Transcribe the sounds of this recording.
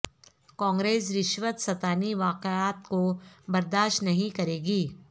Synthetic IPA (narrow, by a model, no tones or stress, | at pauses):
kãːŋɡɾeːsɾɪʃʋət̪sɐt̪aːniʋaːqeaːt̪kobɐɾd̪aːʃtnɐɦĩkɐɾeːɡiː